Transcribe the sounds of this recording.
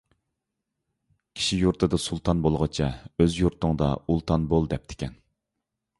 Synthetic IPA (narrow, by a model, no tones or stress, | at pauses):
kʲʰi̥ʃijuɾt̪ʰɨd̪ɨsulˠt̪ʰɑnbolˠʁɑt͡ʃʰɛøzjuɾt̪ʰʊŋd̪ɑ̰ulˠt̪ʰɑnbolˠd̪ɛp̚t̪ʰɪ̥kʲɛn